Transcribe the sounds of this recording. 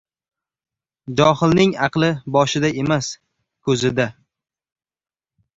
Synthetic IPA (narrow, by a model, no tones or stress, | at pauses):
d͡ʒɒhɪlnɪŋɑqlˠɪbɒʃɪd̪ae̞mas | kʰɵzɪd̪a